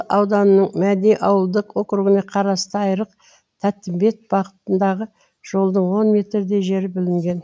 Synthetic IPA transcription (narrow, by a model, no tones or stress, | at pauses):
ɑwd̪ɑnənəɴmæd̪ejʔɑwəlˠd̪əqo̞kɾuɡɪne̞qʰɑɾɑst̪əɑjɾəq | t̪ʰæt̪ːɪmbe̞t̪̚b̥ɑʁət̪ənd̪ɑʁə | ʒ̥o̞lˠd̪əɴwo̞nmʲe̞t̪ɾd̪e̞ʒe̞ɾɪbɪlɪŋɡʲe̞n